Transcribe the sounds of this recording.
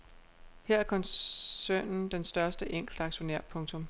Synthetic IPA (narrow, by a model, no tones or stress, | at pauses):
heɐ̰æɐkʰɒ̽nøːnn̩d̥ensd̥ɶɐsd̥əʔeŋ̰ɡ̥l̩d̥ɑ̈ɡ̥ɕo̝neɐ̰pʰɔ̽ŋt͡sʰɔ̽m